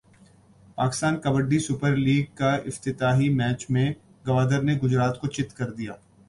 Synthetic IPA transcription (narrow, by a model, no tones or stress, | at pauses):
paːkɪ̥st̪aːnkɐbəɖːisʊpəɾliːɡ̚kaɪft̪ɪt̪aːɦimɛːt͡ʃmẽ | ɡɐʋaːd̪əɾneɡʊd͡ʒɾaːt̪kot͡ʃɪt̪kɐɾd̪ijaː